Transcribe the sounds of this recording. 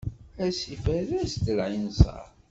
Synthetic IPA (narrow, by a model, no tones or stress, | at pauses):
æsifæðæsd̪əlʕinsɑ̰ɾˤ